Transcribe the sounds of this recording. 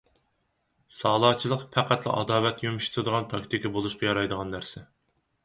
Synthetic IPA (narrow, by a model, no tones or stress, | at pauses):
sɑːlˠɑːt͡ʃʰilˠəqpʰæqæt̪lˠɨ̰ʔɑ̰d̪ɑːlɛt̪jomʃi̥t̪ʰɨd̪əʁɑnt̪ʰɑkt̪ʰɪkʰʲɑbolˠuʃqɑjɑɾɑjd̪əʁɑnːæɾsɪ